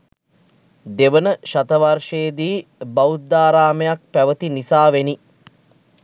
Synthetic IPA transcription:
d̪eʋənəʃat̪əʋarʂeːd̪iːbaut̪̚d̪aːɾaːməjak̚pæʋət̪inisaːʋeni

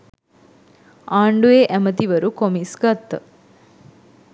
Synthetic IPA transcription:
aːɳɖueʔæmət̪iʋəɾukomisɡat̪ːə̰

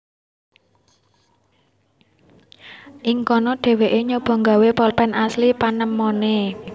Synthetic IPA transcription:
ʔiŋkɔnɔɖ̥e̤weʔeɲob̥ɔ̤ŋɡa̤wepɔlpɛnʔaslipanəmːɔne

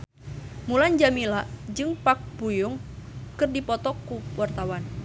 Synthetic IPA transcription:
muland͡ʒamilaʔd͡ʒɨŋpak̚b̥ujʊŋkɨrdipɔt̪ɔkːuwart̪awan

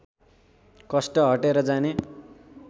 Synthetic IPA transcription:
kʌsʈʌɦʌʈeɾʌd͡zane

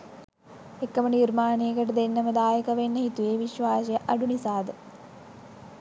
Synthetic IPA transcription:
ekːɐmɐnirmaːnejɐkɐʈɐd̪enːɐmɐd̪aːjɐkɐʋenːɐɦit̪ujeːʋiɕʋaːsɐjɐʔɐɖunisaːd̪ɨ

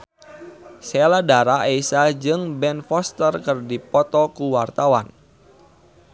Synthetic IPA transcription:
sɛladaɾaʔeisad͡ʒɨŋbɛnfɔst̪ərkərdipɔt̪ɔkuwart̪awa̰n

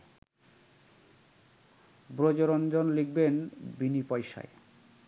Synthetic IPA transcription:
bɾod͡ʑoɾond͡ʑonliɡ̚benbinipɔjʃa̰e

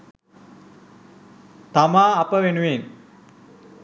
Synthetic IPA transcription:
t̪amaːpəʋenuʋen

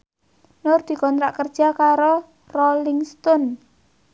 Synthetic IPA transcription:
nʊrd̪̥i̤kɔnt̪ɾaʔkərd̥ʒ̥a̤kaɾo | rolɪŋst̪ɔn

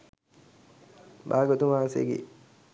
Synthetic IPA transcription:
baːɡot̪umaːsḛɡḭ

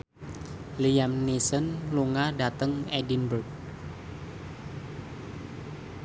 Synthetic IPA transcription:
lijamnisənluŋadat̪əŋedinbərk̚

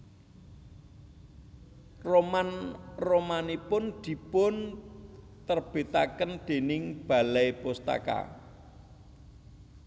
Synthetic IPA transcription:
romanromanipʊnd̪̥i̤pʊn | t̪ərb̥e̤t̪akənd̪̥e̤nɪŋb̥a̤lɛjpost̪a̰ka̰

